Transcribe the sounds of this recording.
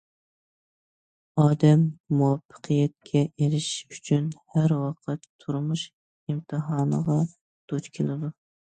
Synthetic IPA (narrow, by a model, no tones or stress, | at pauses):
ɑːd̪ɛmːuwɑfʰːə̥qʰɨjɛt̪̚kʲʰɛʔeɾɪʃyt͡ʃʰynhæɾwɑqʰət̪ʰːuɾmuʃ | imt̪ʰɨɦɑːnəʁɑ | d̪̥ot͡ʃkʲʰelˠɨd̪u